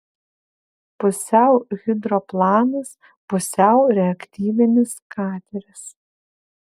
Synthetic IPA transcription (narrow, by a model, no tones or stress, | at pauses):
pʊsʲɛˑʊɣʲɪd̪ɾoplˠɑːnɐs | pʊsʲɛˑʊɾʲɛɐkt̪ʲiːʋʲɪnʲɪskɑːt̪ʲɛɾʲɪs